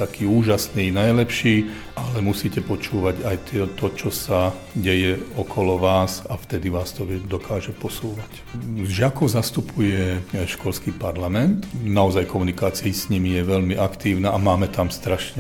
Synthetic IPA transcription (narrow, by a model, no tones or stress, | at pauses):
t̪akiːuːʒasniːnajlɛpʃiː | ʔalɛmusiːcɛpɔt͡ʃuːʋaɟajt̪ɪɛt̪ɔt͡ʃɔsa | ɟɛjɛɔkʰɔlɔʋaːsaft̪ɛd̪iʋaːst̪ɔɛd̪ɔkʰaːʒɛpɔsuːʋac | ʒɪakɔzast̪upʰujɛʃkɔlskiːpaɾlamɛnt̪naɔzajkɔmunikaːt͡siisɲimijɛʋɛʎmiʔakt̪iːʊnaːʔamaːmɛt̪amst̪ɾaʃɲɛ